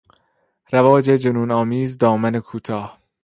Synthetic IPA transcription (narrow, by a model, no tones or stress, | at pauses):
ɾævɒːd͡ʒed͡ʒonuːnɒːmiːzd̪ɒːmænekʰuːt̪ʰɒːh